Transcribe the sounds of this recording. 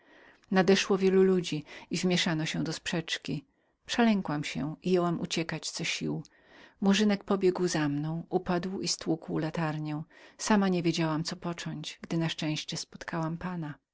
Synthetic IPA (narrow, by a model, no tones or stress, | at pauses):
nad̪ɛʂwɔvʲjɛlulud͡ʑiivmʲjɛʂanɔɕɛ̃d̪ɔspʂɛt͡ʂkʲi | pʂɛlɛŋkwamɕɛ̰ijɛwamʔut͡ɕɛkat͡ɕt̪sɔɕiw | muʐɘnɛk̚pɔbʲjɛɡwzamnɔ̃w̃upad̪wist̪wukwlat̪aɾɲɛw̃samaɲɛvʲjed͡ʑawamt̪sɔpɔt͡ʂɔɲt͡ɕɡd̪ɘnaʂt͡ʂɛ̃ɕt͡ɕɛspɔ̥t̪kʰawampana